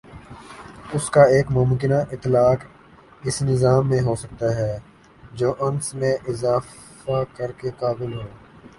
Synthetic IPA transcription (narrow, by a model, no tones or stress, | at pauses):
ʊskaeːkmʊmkɪnaʔɪt̪ːlaːk | ɪsnɪzaːmːẽɦoːsɐk̚t̪aɦɛː | d͡ʒoːʔɐnsmẽʔɪzaː | akɐɾkekaːbɪlɦoː